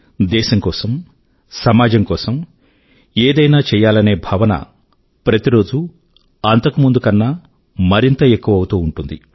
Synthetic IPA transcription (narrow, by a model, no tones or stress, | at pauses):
d̪ɛːʃɐŋkɔːsɐm | sɐmaːd͡ʒɐmkɔːsɐm | eːd̪ɐjnaːt͡ʃɛːjaːlɐne̞ːbʱɐʋɐnɐ̰ | pɾɐt̪iɾo̞ːd͡ʒu | ɐnt̪ɐkumund̪ukɐnːaː | mɐɾint̪ɐe̞kːuʋɐwut̪uːuɳʈund̪i